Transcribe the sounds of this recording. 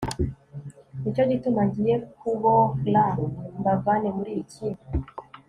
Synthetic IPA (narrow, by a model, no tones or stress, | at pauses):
nit͡ʃo̞ɟitumaɟijekuβolambaɡɡanemuɾijici